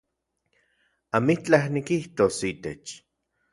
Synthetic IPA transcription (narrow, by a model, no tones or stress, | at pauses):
amit͡ɬahnikiht̪osit̪et͡ʃ